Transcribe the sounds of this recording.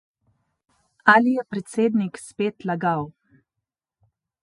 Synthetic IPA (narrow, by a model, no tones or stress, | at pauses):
alijɛpɾɛt̪seːd̪nikspeːt̪laɡaw